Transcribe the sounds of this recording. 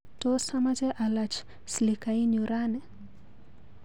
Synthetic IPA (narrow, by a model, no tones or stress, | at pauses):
tɔsamad͡ʒɛʔalat͡ʃ | slikaiɲuɾanɛ